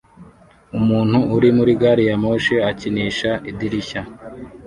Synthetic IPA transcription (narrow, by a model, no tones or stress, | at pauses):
umuːn̥huːɾimuɾiɡaːɾijamoʃeaciniːʃaʔidiɾiça